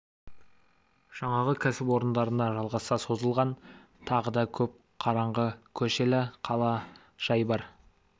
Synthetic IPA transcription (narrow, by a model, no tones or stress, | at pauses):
ʒ̥ɑɴɑʁəkʲʰæsɪpwo̞ɾənd̪ɑɾənd̪ɑʒɑlˠʁɑsɑso̞zəlˠʁɑn | t̪ʰɑʁəd̪ɑkʲʰɵp̚ | qʰɑɾɑɴʁəkʲʰɵʃe̞lɪqʰɑlˠɑ | ʒ̥ɑjbɑɾ